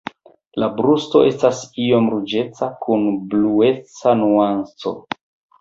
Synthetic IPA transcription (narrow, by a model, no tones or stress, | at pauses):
labɾusto̞ʔe̞stasio̞mɾud͡ʒe̞t͡sakunblue̞t͡sanuant͡so̞̰